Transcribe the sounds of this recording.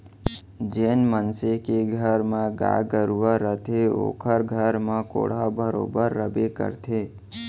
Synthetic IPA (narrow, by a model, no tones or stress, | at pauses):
d͡ʒenmənsekeɡʱəɾmãɡa̰ɡəɾuʋəɾət̪ʰeo̰ːkʰəɾɡʱəɾmãko̰ːɽ̤abəɾo̰ːbəɾːəbekə̰ɾt̪ʰe